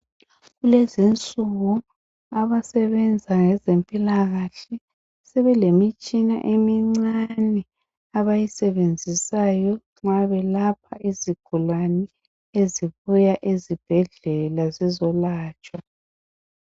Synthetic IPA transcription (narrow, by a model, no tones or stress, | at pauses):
ɣulezint͡sʼuɣu | aβasɛβɛnd͡zʱaŋɛzempʼilaɣaɬɛ | sɛβɛlemit͡ʃʼina̰ʔemiŋ͡ǀanɛ | aβajisɛβend͡zʱisajɔ | ŋ͡ǁaβɛlapʰaʔiziɡ̥ʱulwanɛ | eziβujaʔezib̥ʱɛɮɛlazizɔlaːt͡ʃʼwa